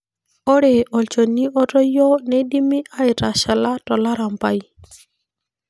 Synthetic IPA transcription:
ɔ˦ɾe˨ʔɔ˨lt͡ʃɔ˨ni˦ʔɔ˦tɔ˦jɔ˦nɛ˦di˦mi˦ʔa˦ɪ˨ta˨ʃa˨la˦tɔ˨la˦ɾa˨mpa˦i˦

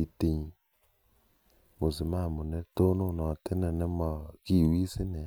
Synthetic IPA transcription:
i˨te˨ɲ˨ | mʊ˨sɪ˨ma˦˨mʊ˨nɛ˦to˦nʊ˦˨nɔ˨tɪ˦nɪ˨nɪ˦mɔ˨ki˨wi˦sɪ˦nɪ˨˦

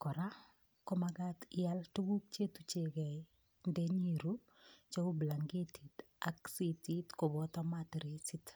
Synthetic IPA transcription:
kɔ˨ɾa˦ | kɔ˦maɡatɪaltu˦ɡu˦k̚t͡ʃe˦tu˦t͡ʃeɡɛ˨i | ndɛɲi˨ɾu˦ | t͡ʃo˦ubla˨ŋɡe˦tʰi˨t | a˦ksiti˦tko˨bɔ˦tɔmatɾesɪ˦t

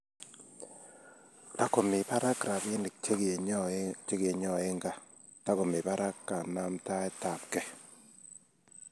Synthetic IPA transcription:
ta˦kɔ˨mɪ˨pa˦ɾa˦kɾa˨be˦n˨˦ɡt͡ʃe˦ɡe˨ɲɔ˦˨e˦ŋɡa˦ | ta˦kɔ˨mɪ˨pa˦ɾa˦kːa˨na˦mta˦ɛ˦ta˨p̚kɛ˦

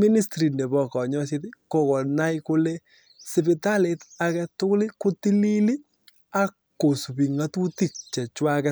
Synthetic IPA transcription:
mi˦ni˦stɾi˨ne˨bɔ˨kɔ˨ɲɔ˦sɪ˦ti˦ko˨kɔ˨na˦jkʊ˦le˦ | sɪ˨pi˨ta˦le˨ta˨kɛ˨tʊ˦klɪ˦kʊ˦ti˦li˦li˦ | a˦kːo˨su˨bi˨ŋa˦tu˦ti˦˨k̚t͡ʃɛ˨t͡ʃwa˦kɛ˦

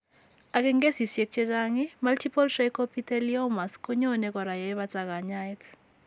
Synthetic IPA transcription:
a˨kɛ˦ŋɡe˦si˨sje˨k̚t͡ʃe˦t͡ʃʼaŋi˦ma˦ltʰi˦pɔ˦ltɾejkɔ˦pʰi˦tɛ˦liɔ˦ma˨sko˦ɲo˦nɛ˨kɔ˨ɾa˨je˨˦βa˦t͡sa˨ka˨ɲa˦jt

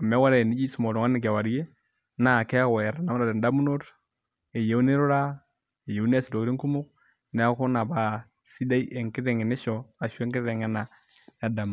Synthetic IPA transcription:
a˨mɛ˦wa˦ɾa˦˨e˨ni˦d͡ʒi˦su˨mo˨ɾɔ˨ŋa˦ni˨ɡ̬a˨wa˨ɾje˦ | na˦˨kɛ˦a˦wa˨ja˨ɾa˨na˦ma˦ɾa˨dɛ˨nda˦mu˦no˦ɾ | e˨je˦u˦ne˦ɾu˦ɾa˦ | e˨je˨u˦n˦a˦si˨do˨kɾi˦ŋku˦mu˦k̚ | nɛ˨a˦ku˦na˨ba˦ | si˦da˦i˦ʔe˨ŋki˦ɾe˨ŋe˨ni˦ʃɔ˨a˨ʃu˦ɛ˦ŋki˦ɾɾɛ˨ŋɛ˦na˨ | ja˦da˨m˨

